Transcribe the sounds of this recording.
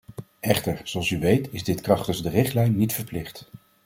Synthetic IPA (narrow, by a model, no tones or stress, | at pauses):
ʔɛχtəɹzoɑlˠsyʋejtɪzdɪtkrɑχtəzdərɪχtlɛjnːitfəɹplɪχt